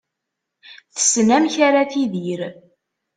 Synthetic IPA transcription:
θə̥snæmçaɾaθiðiɾ

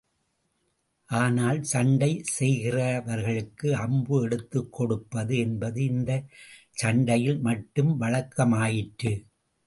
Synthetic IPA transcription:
ʔaːnaːlsɐɳɖɐɪsɛjɣɪrɐʋɐɾɣɐɭɯkːɯɐmbɯɛɽɯt̪ːɯkʰːɔɽɯpːɐðɯɛnbɐðɯɪnd̪ɐ | t͡ʃɐɳɖɐjɪlmɐʈːɯmʋɐɻɐkːɐmaːjɪʈːɯ

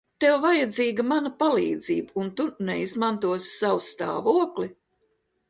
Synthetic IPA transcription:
t̪ɛwvajad̪ziːɡɐmanɐpalˠḭːd̪ziːbəunt̪unɛizmant̪uɔssawst̪a̰ːvuɔkli

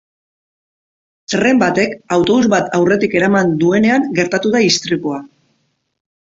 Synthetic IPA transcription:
t̪re̞mbat̪e̞kawt̪o̞βuzβat̪ʰawre̞t̪ike̞ɾamand̪ue̞ne̞aŋɡe̞ɾt̪at̪uðaist̪ɾikua

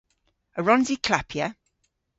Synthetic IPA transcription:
əɹɔ̃nzikʰlapʰjə

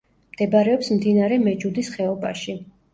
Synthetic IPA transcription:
md̪̥ɛbaɾɛɔpsmd̪inaɾɛmɛd͡ʒud̪isχɛɔbaʃi

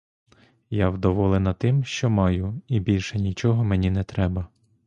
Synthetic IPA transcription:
jawd̪ɔʋɔlˠenɐt̪ɪmʃt͡ʃɔmɑjʊibʲilʲʃɛnʲit͡ʃɔɦɔmenʲinɛt̪ɾɛbɐ

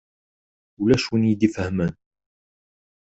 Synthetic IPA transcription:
læʃwənjid̪ifəhmæn

